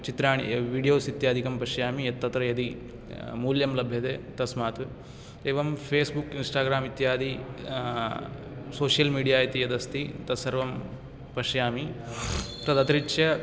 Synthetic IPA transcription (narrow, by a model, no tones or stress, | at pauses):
t͡ʃit̪ɾaːɳ̃iʋiːɖijoːsit̪jaːd̪ʱikɐmpɐʃjaːmijɐt̪ːɐt̪ɾɐjɐd̪i | muːljɐmlɐbʱjɐd̪eːt̪ɐsmaːt̪ʋ | eːʋɐmpʰeːsbukinsʈaːɡɾaːmit̪jaːd̪i | soːʃjɐlmiːɽijaːit̪ijɐd̪ɐst̪it̪ɐsɐɾʋɐm | pɐʃjaːmi | t̪ɾɐd̪ɐt̪ɾiʈʃjɐ